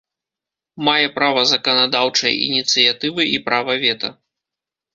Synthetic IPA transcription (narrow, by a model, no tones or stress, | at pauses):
majɛpɾavɐzɐkɐnad̪awt͡ʂɐj̰ḭnʲit̪sɨjat̪ɨvɨʔipɾavɐvʲɛt̪ɐ̰